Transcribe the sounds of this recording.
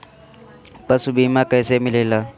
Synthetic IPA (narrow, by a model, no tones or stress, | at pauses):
pasʊbimakʼaɪsemɪlɪːla